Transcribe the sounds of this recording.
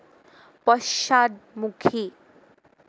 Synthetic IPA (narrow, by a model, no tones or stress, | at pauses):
pʌʃad̪̚mukʰi